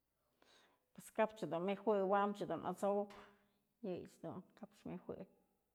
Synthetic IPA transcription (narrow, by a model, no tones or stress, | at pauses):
pweskapt͡ʃad̪unmexwɨwamt͡ʃɨd̪unʔa̰t͡sok | jɨjt͡ʃd̪ṵnkapt͡ʃmehwʷɨ̰